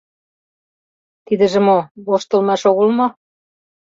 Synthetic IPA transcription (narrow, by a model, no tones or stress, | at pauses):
t̪id̪ə̆ʒĕmoβoʃt̪ə̆lmɑʃoɣəlmo